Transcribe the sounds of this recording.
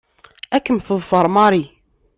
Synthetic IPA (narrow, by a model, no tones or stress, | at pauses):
ækːəmθəðˤfɑɾˤmɑɾi